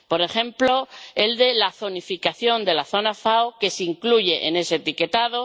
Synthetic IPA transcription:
po̞ɾe̞xẽ̞mplo̞e̞ld̪e̞laθo̞nifikaθjo̞nd̪e̞laθo̞nafaoke̞siŋkluʝe̞ʔene̞se̞t̪ike̞t̪að̞o̞

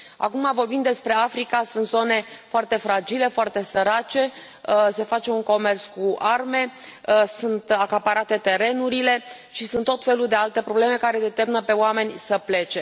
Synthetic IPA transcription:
a̰kumavo̞rbimd̪e̞spɾe̞afɾikasunt̪zo̞ne̞foart̪e̞fɾad͡ʒile̞foart̪e̞səɾat͡ʃe̞ | se̞fat͡ʃe̞unko̞me̞rskuarme̞sunt̪akapaɾat̪e̞t̪e̞ɾe̞nuɾile̞ | ʃisunt̪ːo̞t̪fe̞luld̪e̞alt̪e̞pɾo̞ble̞me̞kaɾe̞d̪e̞t̪erminəpe̞oame̞nʲsəple̞t͡ʃe̞

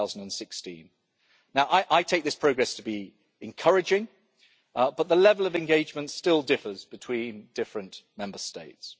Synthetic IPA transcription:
aʊzə̃n̩də̃nsɪkstḭ̃n | naʊʔaɪʔaɪtʰeɪk̚ðɪspʰɹ̥əʊɡɹɛstʰəbi | ɨ̃nkʰʌɹɪd͡ʒɪ̃ŋ | b̥ʌt̪̚ðəlɛvələvɨ̃nɡeɪd͡ʒmə̃ntstɪlˠdɪfəzbɨtʰw̥ĩːnd̥ɪfɹə̃nmɛ̃mbəsteɪts

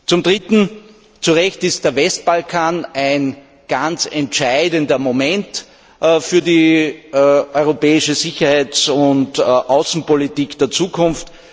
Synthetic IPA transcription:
t͡sʊmdʁɪtn̩ | t͡suʁɛçtɪst̚d̥eːɐvɛst̚b̥alkʰaːnæɪn | ɡ̥ant͡sɛntʃaɪdəndɐmomɛnt | fyːɐdi | ʔɔʏʁopɛːɪʃəzɪçɐhæɪt͡sʊntʔaʊsn̩politiːkd̥eːɐt͡suːkʰʊnft

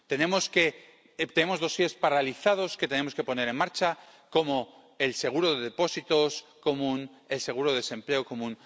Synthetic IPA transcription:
t̪e̞ne̞mo̞ske̞ | t̪ene̞mo̞zðo̞sje̞spaɾaliθað̞o̞ske̞t̪e̞ne̞moske̞po̞ne̞ɾe̞nmaɾt͡ʃa | ko̞mo̞ | else̞ɣ̞uɾoðe̞ðepo̞sit̪o̞sko̞mũn | e̞lse̞ɣuɾoðese̞mple̞oko̞mũn

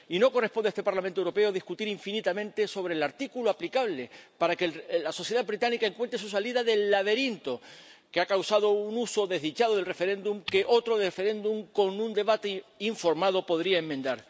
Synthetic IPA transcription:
ino̞ko̞re̞hpond̪est̪e̞paɾlamẽnwɾo̞pe̞oaðihkut̪iɾiɱfinit̪amẽnt̪e̞so̞βɾeːlaɾt̪ikuloaplikaβle̞paɾakelaso̞sθje̞ð̞abβɾit̪anikae̞ŋkwent̪ɾesusaliðaðe̞lːaβe̞ɾint̪o̞keakawsað̞o̞unuso̞ðe̞ɦðit͡ʃaðo̞ð̞elrefe̞ɾẽ̞nd̪umke̞ʔo̞t̪ɾoðefe̞ɾe̞nd̪uŋko̞nũnd̪e̞βat̪eiɱfo̞ɾmaðo̞po̞ðɾiaemːend̪aɾ

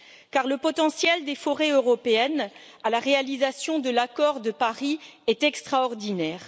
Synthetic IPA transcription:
kaʁləpɔt̪ɑ̃sjɛld̪efɔʁeøʁɔpeɛn | alaʁealizasjɔ̃d̪əlakɔʁd̪əpaʁiɛt̪ɛkst̪χaɔʁd̪inɛːʁ

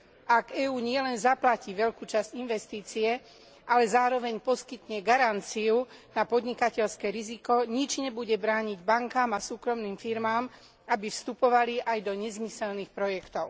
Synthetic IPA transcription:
ʔaɡɛːuːɲɪɛlɛnzaplaciʋɛʎkuːt͡ʃazɟinʋɛst̪iːt͡siɛ | ʔalɛzaːɾɔʋɛɲpɔskit̪ɲɛɡaɾant͡siunapɔd̪ɲikacɛʎskɛɾizikɔɲid͡ʒɲɛbuɟɛbɾaːɲiɟbaŋkaːmasuːkɾɔmniːmfiɾmaːm | abifst̪upɔʋaliʔajd̪ɔɲɛzmisɛlnixpɾɔjɛkt̪ɔʊ

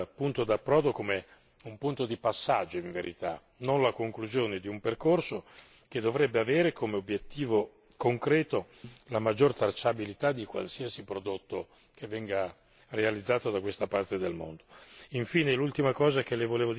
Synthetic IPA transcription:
pːunt̪od̪apːɾɔːd̪okome | umpunt̪od̪ipasːa̰d͡ʒːoiɱveɾʔit̪a̰ | nonlakoŋkluzjoːned̪iumperkorso | ked̪ːovɾɛbːeaveːɾekomeobːjet̪ːiːvo | koŋkɾɛːt̪o | lamad͡ʒːort̪at͡ʃːabilit̪ad̪ːikwa̰lsiasipɾod̪ot̪ːo | k̟evːɛŋɡa | realid̪zːaːt̪od̪akwest̪apart̪ed̪elmo̰nd̪oiɱfiːnelult̪imakɔːzakelevoleːvo

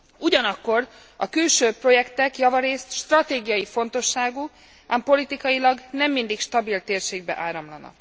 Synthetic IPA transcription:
uɟɒnɒkːo̞r | ɒkylʃøːpro̞jɛkt̪ɛkjɒvɒɾeːst̪ʃt̪rɒt̪eːɡijɒjifo̞nt̪o̞ʃːaːɡu | aːmpo̞lit̪ikɒjilɒɡnɛmːind̪ikʃt̪ɒbilt̪eːrʃeːɡ̚bɛ̰ʔaːɾɒmlɒnɒ̰k

